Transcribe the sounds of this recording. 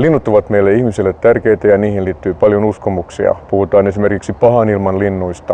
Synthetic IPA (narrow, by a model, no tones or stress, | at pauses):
linːut̪ːuʋɑt̪meilːeihmisilːet̪tːærkeit̪æjɑniːhinliːt̪ːyːpɑljonuskomuksḭɑ̰puhut̪ɑːnesimerkiksipɑhɑnilmɑnlinːuist̪ɑ